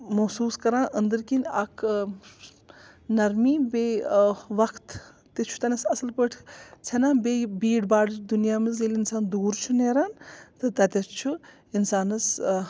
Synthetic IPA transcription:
mɐsuːskɐɾãːʔənd̪ɨɾkinʲɐkʰ | nɐɾmiːbeʋɐkʰt̪ | t̪ːet͡ʃʰu̥t̪ɐnɐsɐsɐlpəʈʰt͡sʰɐnãːbebiːɽbaːɽd̪unjaːmɨz̬elʲinsaːnd̪uːɾt͡ʃʰuneːɾaːnt̪ɨt̪ɐt̪ʲɐt͡ʃʰu | insaːnɐs

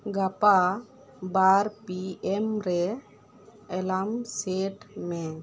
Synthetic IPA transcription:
ɡapa | baɾpiɛmɾɛ | ɛlamseʈmɛ

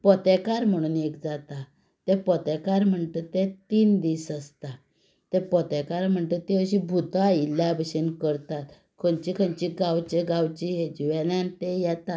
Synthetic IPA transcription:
pɔt̪ɛkaɾm̤əɽ̃uːnekd͡zat̪a | t̪ɛpɔt̪ɛkaɾm̤əɳt̪ət̪ɛt̪iːnd̪isəst̪a | t̪ɛ̃pɔt̪ɛkaɾm̤əɳt̪ət̪eəɕibʱut̪ailjabʱəɕinkəɾt̪at̪ | kʰənt͡ɕikʰənt͡ɕiɡawt͡ɕeɡawt͡ɕiɦed͡ʑiʋɛnant̪ejɛt̪a

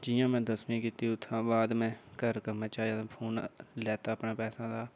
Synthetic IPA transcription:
d͡ʒɪjãːmɛ̃ːd̪əsmĩːkiːt̪iːʊt̪ʰːãːbaːd̪mɛ̃ːkəɾkəɾnãːt͡ʃaːjaːt̪ãpʰoːnlɛːt̪aːəpnaːpɛːsãːd̪aː

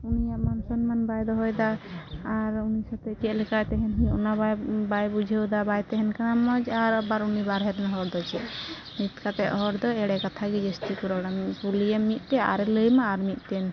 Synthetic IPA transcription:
unijaʔmansɔnmanbajd̪ɔɦɔjd̪aː | ɾunisat̪ɛkɛlɛkajt̪ɛɦɛnɦiʔunababajbud͡ʒʱəwd̪abajt̪ɛɦɛnkanamɔd͡ʒaɾabaɾunibaɾɦɛɾɛnaɦɔɾd̪ɔt͡ʃʰɛʔ | mit̪kat̪ɛʔɦɔɾd̪ɔɛɽɛkat̪ʰaɡid͡ʒəst̪ikuɾɔɽapulijɛmːit̪̚ˀt̪ɛa̰ɾɛləjmaːɾmit̪̚ˀt̪ɛn

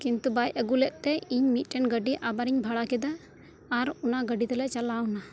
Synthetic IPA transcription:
kint̪ubajəɡulɛʔ̪̚ˀt̪ɛiɲmit̪̚ˀʈɛnɡəɖiʔabaɾiɲbʱaɽakɛd̪aː | ɾɔnaɡəɖit̪ɛlɛʔt͡ʃalawna

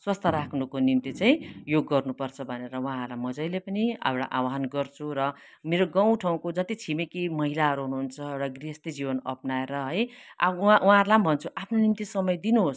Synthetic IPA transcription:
swʌst̪ʰʌɾakʰnukonimt̪it͡saĩjoɡːʌrnupʌrt͡sʰʌbʱʌneɾʌw̃ãɦʌɾlamʌd͡zʌjlepʌnia̰eɽa̰ʔa̰waɦʌnɡʌrt͡sʰuɾʌ | meɾoɡãw̃ʈʰaw̃kod͡zʌt̪it͡sʰimekimʌɦilaɦʌɾuɦunuɦːnt͡sʰʌeɽaɡriɦʌst̪id͡zibʌnʌ̰pnaeɾʌɦʌja̰awãɦʌɾlambʱʌnt͡sʰuʔapʰnonimt̪isʌmʌjd̪inuɦos

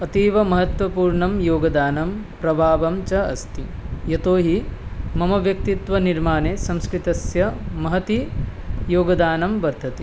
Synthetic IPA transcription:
ɐt̪iːʋɐmɐɦɐt̪ʋɐpuːɾɳɐmjoːɡɐd̪aːnɐmpɾɐbʱaːʋɐmt͡ʃɐɐst̪ijɐt̪oːɦimɐmɐʋjɐk̚t̪it̪ʋɐniɾmaːneːsɐmskɾit̪ɐsjɐmɐɦɐt̪ijoːɡɐd̪aːnɐmʋɐɾd̪ʱɐt̪e

